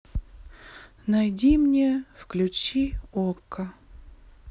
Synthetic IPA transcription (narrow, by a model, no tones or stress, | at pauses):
najdʲimnʲefklʲʉt͡ɕiokːə